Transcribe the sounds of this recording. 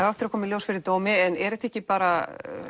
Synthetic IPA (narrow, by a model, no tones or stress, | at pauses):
avaft̪ɪɾakʰɔːmɪljoːwsfɪɾɪɾt̪oːwmɪɛnɛɾɛht̪ɛhcːɪpaːɾa